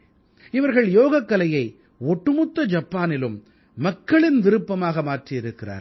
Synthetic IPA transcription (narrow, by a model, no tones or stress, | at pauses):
ɪʋɐɾɣɐɭjoːɣɐkːɐlɐjɐɪ | ɔʈːɯmʊt̪ːɐd͡ʒɐpːaːnɪlɯmː | ɐkːɐɭɪnʋ̪ɪɾɯpːɐmaːɣɐmaːʈriɪɾɯkːɪra̰ːɾ